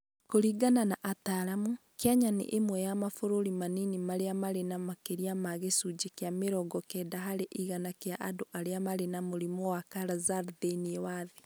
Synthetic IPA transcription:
koɾiːɡananaʔataɾamu | keaɲanḛʔemwɛjamafoɾoɾimaninimaɾeamaɾenamakeɾiamaɣesud͡ʒekeameɾɔɡɔkɛːdaɦaɾeʔiɣanakeaʔadoʔaɾeamaɾenamoɾimɔwakaɾazaɾðeniewaðe

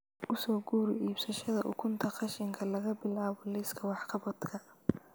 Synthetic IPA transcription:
ʔʊsɔːɡuːɾɪʔiːbsɐʃɐðɐʔʊ̰kʰʊnt̪ʰɐqɑʃɪŋkʰɐlɐɣɐbɪlaːβɔlɪskʰɐwɑħqʰɑβɔd̪kʰɐ

